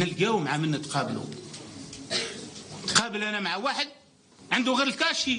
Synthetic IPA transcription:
ælɡæwmaʕamənːæt̪qɑbəlṵ | t̪qɑbəlʔænæmaʕawaħəd̪̚ | ʕənd̪uɣiɾəlkæʃi

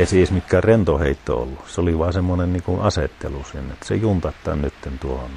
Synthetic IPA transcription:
eˑsiˑesmit̪kærent̪oheˑit̪ːo̰o̰lːuseoliʋɑˑesemːonenniːŋkunɑset̪ːḛlusiːnːt̪ːsejunt̪ɑt̪ːˑɑ̰ːnnyt̪ːent̪uohon

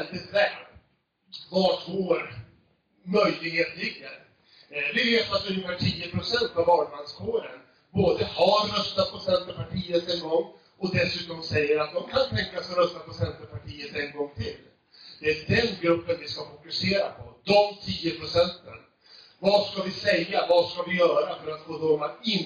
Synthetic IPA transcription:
ɛnt̪ət̪ʰvɛːp | vaʈɡoːɾ | mœjlɪɡheːt̪lɪɡːəɾ | vɪveːt̪at̪ːɵnːəfæːʈʰiːəpʰɾʊsɛnt̪avɑːlmanskʰoːɾən | boːd̪əhaɾɾœst̪at̪̚pʰɔsɛnt̪əɾpʰaʈʰiːət̪ɛnɡɔŋː | ɔd̪ɛsʉ̟ːt̪ɔmsɛjːəɾat̪̚d̪ɔmkʰant̪ʰɛŋkasɔɾœst̪apʰɔsɛnt̪əpʰaʈʰiːət̪ɛnɡɔŋːt̪ʰɪlː | d̪̥ɛæɖɛnɡɾɵpːənvɪskafʊkɵseːɾapʰɔd̪ɔmt̪ʰiːəpʰɾʊsɛnt̪ən | vaskavɪsɛjːavaskavɪjœːɾafœɾat̪ɡoːd̪ɔmaɪn

